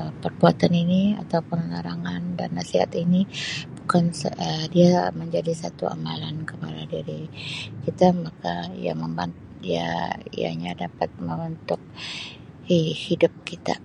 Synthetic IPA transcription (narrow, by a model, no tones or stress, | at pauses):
əpərbuat̪aninia̰t̪awpʊnlaɾaŋanda̰nːasiɦa̰t̪inibukansədiaməɲd͡ʒadisat̪uʔa̰malankəpaladiɾikit̪amakaija̰məmbant̪ | dia̰ḭja̰ɲadapat̪̚məmənt̪ʊk̚ | ehidʊp̚kit̪a̰